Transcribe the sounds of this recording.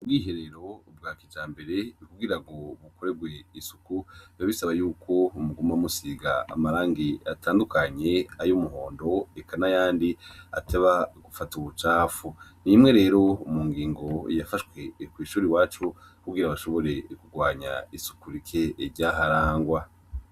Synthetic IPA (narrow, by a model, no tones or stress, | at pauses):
ubɡiːɦe̞ɾe̞ɾo̞b̚ɡaːkid͡ʒaːmbe̞ɾe̞ikuɡiɾaɡo̞βuko̞ɾe̞ɡwe̞isu̥kujaβisaβajuːkʰo̞umuɡumamusiɡa̰ːmaɾaːŋɡiatʰaːndukʰaɲe̞ajomuɦo̞ːndo̞ekʰanajaːndia̰teβaɡufatuβut͡ʃaːfunimŋe̞ɾe̞ːɾo̞umuŋɡiːŋɡo̞jafaʃwe̞kwiːʃuːɾiwaːt͡ʃo | kuɡiɾaβaʃo̞βo̞ɾe̞kuɡwaːɲa̰isu̥kuɾikʰe̞ɾɟaɦaɾaːŋɡwa